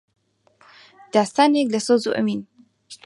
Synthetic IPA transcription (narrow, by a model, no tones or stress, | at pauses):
d̪̥aːst̪aːneklɐsɨzuːʔɐ̰miːn